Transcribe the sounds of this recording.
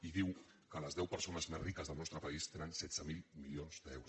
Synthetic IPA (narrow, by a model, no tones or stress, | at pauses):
iðiw | kələzðɛwpəɾsonəzmezrikəzðəlˠnɔst̪ɾəpɐist̪enənsɛd̪z̥əmilˠmilionzd̪əɛ̰wɾu